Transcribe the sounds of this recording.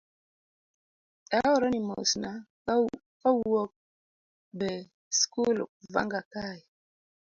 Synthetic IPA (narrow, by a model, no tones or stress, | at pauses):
aɔɾɔnimo̰sna | kawɔk̚ | bɛ | skulva̰ŋɡakai